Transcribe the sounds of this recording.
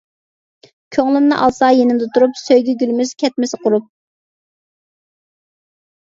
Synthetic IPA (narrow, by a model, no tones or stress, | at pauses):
kʲʰøŋlˠɪnnɨʔɑlˠsɑjenɪmd̪ɛt̪ʰuɾupsøjɡʲɛɡʲylmyz̥kʲʰɛt̪̚mɪsɪqʰʊɾup̚